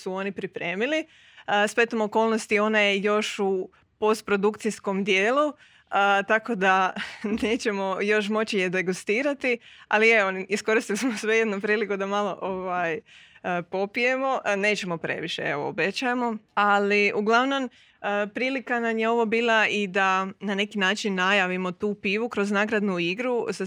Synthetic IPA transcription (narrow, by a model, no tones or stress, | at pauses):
suo̞nipɾipɾe̞ːmili | spe̞t̪omoko̞ːlno̞st̪io̞naje̞jo̞ʃu | po̞st̪̚pɾo̞d̪ukt̪sisko̞md̪je̞ːlu | ət̪ako̞d̪ane̞ːt͡ɕe̞mo̞jo̞ʃ̬mo̞t͡ɕijed̪e̞ɡust̪iːɾat̪ia̰lieoniisko̞ɾist̪ilismosʋe̞je̞d̪nupɾiːlikud̪amalˠo̞ʔoʋajəpo̞pije̞mo̞ne̞ːt͡ɕe̞mo̞pɾe̞̰ʋiʃḛeʋo̰ːbe̞t͡ɕajemo̞aliʔuɡlˠaʋno̞m | əpɾiːlikanamjeo̞ʋo̞biːlˠaid̪anane̞kinaːt͡ʃinːajaʋimo̞t̪uːpiːʋukɾo̞znaːɡɾad̪nuiɡɾusa